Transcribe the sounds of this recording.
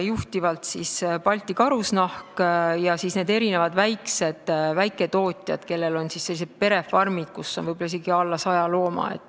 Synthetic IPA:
juht̪ivɑlt̪sispɑlʲt̪ːikɑɾusnɑhkjɑsiːsne̞ːd̪e̞ɾinevɑd̪̥væjkse̞d̪̥væjkːˑe̞t̪o̞ːt̪ʲˑjɑ̰d̪̥ke̞lːe̞lo̞nsisːe̞lːise̞d̪̥̚pe̞ɾe̞fɑrmid̪̥̚kusːo̞nvɯjb̥olːɑiseɡiɑlːɑsɑjɑlo̞ːmɑ̰ḛtt̪ːˑ

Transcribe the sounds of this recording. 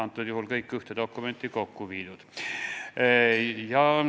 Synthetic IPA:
ɑnt̪ːˑut̪juhulkɤikːˑyht̪ed̪̥okːument̪ˑːikokːuʋiːd̪ut̪ | jɑ

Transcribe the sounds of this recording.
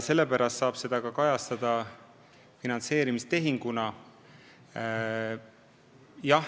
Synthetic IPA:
se̞lːe̞pæɾɑst̪sɑːb̥se̞d̪̥ɑɡ̥ɑkɑjɑst̪ɑd̪̥ɑ | finɑnt̪se̞ːɾimist̪e̞ɦiŋɡ̥unɑ | jɑ

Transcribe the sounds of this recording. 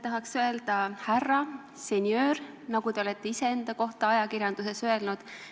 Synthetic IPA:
t̪ɑɦɑksø̞e̞ld̪̥ɑhærːɑ | se̞nʲjø̞ːr | nɑɡut̪e̞olet̪ˑːe̞ise̞end̪̥ɑko̞ht̪ɑɑjɑkiɾjɑnd̪̥use̞sø̞e̞lnud̪̥

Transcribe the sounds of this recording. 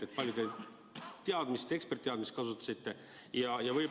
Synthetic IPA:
et̪̚pɑlʲjud̪e | t̪ːeɑd̪mist̪e̞kspert̪ːeɑd̪mist̪kɑsut̪ːˑɑ̥sit̪ːe̞ | jɑjɑvɤj

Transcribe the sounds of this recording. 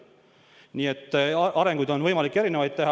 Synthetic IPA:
niːet̪ːʔɑɾe̞ŋɡ̥ud̪o̞nvɤjmɑlikːˑe̞ɾinevɑjd̪̚t̪e̞ɦɑ

